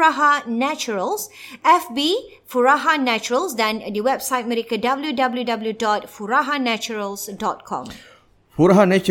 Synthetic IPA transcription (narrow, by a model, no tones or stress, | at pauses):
aɦanɛt͡ʃuɹəlsɛfbi | fuɹaɦanɛt͡ʃuɹəlsdɛ̃ndəwɛbsaɪt̚mɛɾikədabəljudabəljudabljudɔt̚fuɹaɦanɛt͡ʃuɹəlsdɔt̚kʰɔ̰̃m | fuɾaɦanɛt͡ʃ